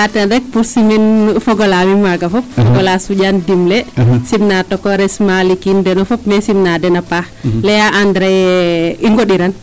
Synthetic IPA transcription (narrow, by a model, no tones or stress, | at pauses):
atɛdɛk̚puɾsiminfɔɡɔlamimwaɡafɔp̚fɔɡɔlasuɟandimlɛsimnatɔkɔɾɛsmalikindɛnɔfɔpmɛsimnadɛnapa | lɛjaʔandɾɛjɛiŋɡɔɗiɾan